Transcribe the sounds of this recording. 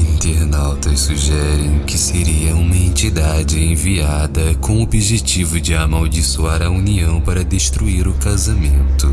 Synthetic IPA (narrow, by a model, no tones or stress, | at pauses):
ĩnt̪eɾnawt̪ɐssuʒɛɾẽj̃kɪseɾiɐũmɐẽnt͡ʃid̪ad͡ʒɪẽviad̪ɐkõw̃obiʒet͡ʃivʊd͡ʒɪamawd͡ʒisuaɾɐuniɐ̃w̃paɾɐd̪eʃt̪ɾuiɾʊkazamẽnt̪ʊ